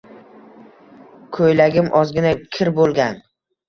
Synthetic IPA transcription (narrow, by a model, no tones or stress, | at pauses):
kʰojlaɡʲɪmʔɒzɡʲɪnakʲʰɪɾbolˠɡʲan